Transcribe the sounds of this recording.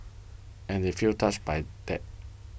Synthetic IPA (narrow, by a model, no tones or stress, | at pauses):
ɛ̃ndefiltʰat͡ʃbajd̪̥ɛt̚